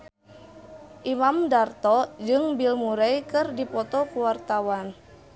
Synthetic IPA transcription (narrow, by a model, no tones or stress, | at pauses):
ʔimamdart̪ɔd͡ʒɨŋbilmuɾɛjkɨrdipɔt̪ɔkuwart̪awan